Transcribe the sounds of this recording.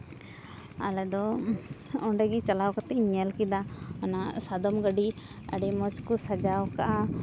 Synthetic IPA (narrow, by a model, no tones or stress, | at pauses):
a̰lɛd̪ɔ | ɔɳɖɛɡit͡ʃalawkat̪ɛɲɛlkid̪aɔnasad̪ɔmɡəɖiə̰ɖimɔt͡ʃkusad͡ʒawkaʔa